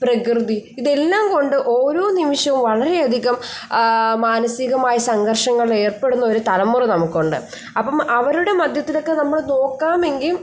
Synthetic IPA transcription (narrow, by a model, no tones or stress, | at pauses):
prɐkrɨðiiðe̞lːaːmko̞ɳɖɨʔo̞ːɾo̞ːnimiʂjɐʋumʋɐɭɐɾe̞ɐd̪ʱiɣɐm | maːnɐsiɣɐmaːjɐsɐŋɡɐrʂɐŋːɐɭe̞ːrpe̞ɽunːɐo̞ɾut̪ɐlɐmːurɨnɐmukːuɳɖɨ̰ | ɐpːɐmɐʋɐɾuɽe̞mɐd̪ʱjɐt̪ːilo̞kːe̞nɐmːuɭno̞ːkːaːme̞ŋɡilm